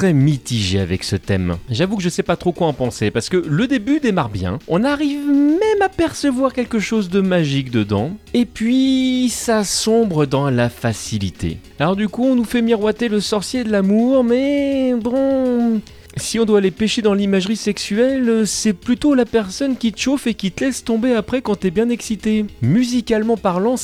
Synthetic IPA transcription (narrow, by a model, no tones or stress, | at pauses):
t̪χɛmit̪iʒea̰vɛ̰ksət̪ɛ̰mʒavukəʒəsɛpat̪χokwaɑ̃pɑ̃sepaʁsə̥kələd̪ebyd̪emaʁbjɛ̰̃ɔ̃naʁivmɛmapɛʁsəvwaʁkʲɛlkəʃozd̪əmaʒikd̪əd̪ɑ̰̃epɥisasɔ̃bʁəd̪ɑ̃lafasilit̪ʰḛ | alɔʁd̪ykuɔ̃nufɛmiʁwat̪eləsɔʁsjed̪əlamuʁmɛbɔ̃ | siɔ̃d̪walepɛʃed̪ɑ̃limaʒʁisɛksyɛlsɛplyt̪olapɛʁsɔnkʲit̪ə̥ʃofekʲit̪əlɛst̪ɔ̃beapχɛkɑ̃t̪yɛbjɛ̃nɛksit̪emyzikalmɑ̃paʁlɑ̃